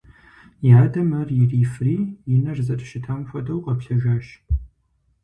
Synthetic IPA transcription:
jaːdɐmɐrjɪriːfriːjɪnɐrzɐtʼʃɪtʰamxʷɔdɐwqʼɐpɬɐʒaːʃ

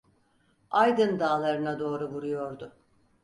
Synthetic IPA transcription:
ajd̪ɯnd̪aːlˠaɾɯnad̪o̞ːɾuvuɾujo̞ɾd̪ʊ

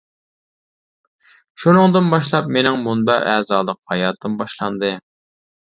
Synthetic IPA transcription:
ʃunɨŋd̪ɨnbɑʃlˠɑpmenɪŋmund̪ɑʔɛːzɑːlˠəqhɑjɑːt̪ʰːɨmbɑʃlˠɑnd̪ɨ

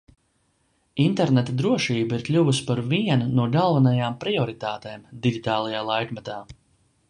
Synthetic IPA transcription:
int̪ɛɾnet̪ad̪ɾuɔʃiːbiɾklʲuvuspaɾviɛnnuɔɡalˠvanajaːmpɾiɔɾit̪aːt̪eːmd̪iɡʲit̪aːlˠajaːlˠajkmɛt̪aː

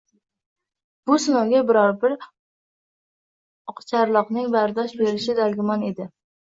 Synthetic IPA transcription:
b̥ʊsʊnɒwɡʲabɪɾɒɾbɪɾ | qt͡ʃʰaɾlˠɒqnɪŋbaɾd̪ɒʃbe̞ɾɪʃɪd̪alɡʲɪmɒne̞d̪ɪ

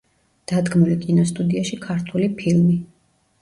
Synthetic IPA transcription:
d̪̥ad̪ɡmulikʼinɔst̪ʼud̪iaʃikʰaɾt̪ʰulipʰilmi

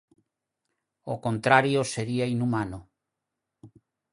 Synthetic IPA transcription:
okont̪ɾaɾjoseɾiainumano

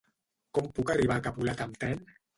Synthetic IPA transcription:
kɔmpukariβ̞akapulat̪amt̪ɾɛn

